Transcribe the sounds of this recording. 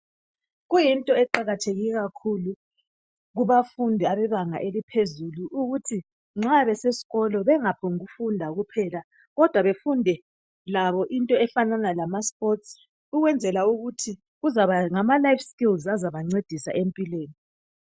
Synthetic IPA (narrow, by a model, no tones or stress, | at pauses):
ɣujintʼɔɛǃaɣatʰeɣiɣakʰulu | ɣuβafundʱɛaβɛβaŋa̰ʔelipʰezuluʔuɣutʰi | ŋ͡ǁaβɛsesi̥ɣɔlɔβɛŋapʰɔŋɣufundʱaɣupʰɛla | ɣɔd̥ʱwaβefundʱɛ | laβɔʔintʼɔɛfananalamaspʼɔts | uɣwɛnd͡zʱɛlauɣutʰi | ɣuzaβaŋamalajfskʼilzazaβaŋ͡ǀed̥ʱisa̰ʔempʼilweːni